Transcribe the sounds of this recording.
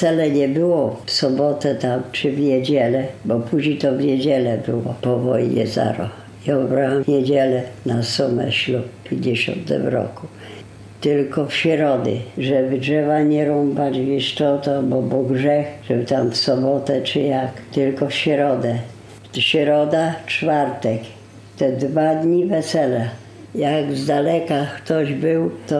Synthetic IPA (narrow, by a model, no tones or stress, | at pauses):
t̪sɛlɛɲɛbɘwɔfsɔbɔt̪ɛt̪amt͡ʂɨvɲɛd͡ʑɛlɛbɔpuʑɲejt̪ɔvɲɛd͡ʑɛlɛbɘwɔpɔvɔjɲɛ̰za̰ɾɔ̰ | iɔbɾawamvɲed͡ʑɛlɛnasɔmɛ̰ɕluppʲjeɲd͡ʑeɕɔ̰nt̪ɛ̰mɾɔ̰ku | t̪ɪlkɔfɕɛɾɔd̪ɪ̰ʐɛbdʐɛvaɲɛɾɔmbad͡ʑd͡ʑviʂtɔt̪ɔbɔbɔɡʐɛxʐ̥ɛbt̪amfsɔbɔt̪ɛt͡ʂɨjakt̪ɪlkɔfɕɛɾɔd̪ɛ | ɕɾɔd̪at͡ʂfaɾt̪ɛk | t̪ɛd̪vad̪ɲivɛsɛla | jaɡzd̪alɛkakt̪ɔʑbɘwt̪ɔ